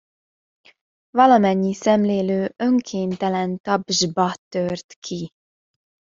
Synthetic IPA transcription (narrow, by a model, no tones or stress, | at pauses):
vɒlɒmɛɲːisɛmleːløːøŋkʰeːnt̪ɛlɛnt̪ɒbʒbɒt̪ørt̪kʰi